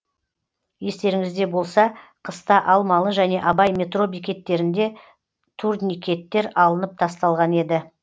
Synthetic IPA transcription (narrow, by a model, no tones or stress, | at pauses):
je̞st̪e̞ɾɪŋɪzd̪e̞bo̞lˠsɑqʰəst̪ɑʔɑlˠmɑlˠəʒæne̞ʔɑbɑjme̞t̪ro̞bijkʲe̞t̪ːe̞ɾɪnd̪e̞ | t̪ʰurd̪nikʲe̞t̪ːe̞ɾɑlˠənəp̚t̪ʰɑst̪ɑlˠʁɑne̞d̪ɪ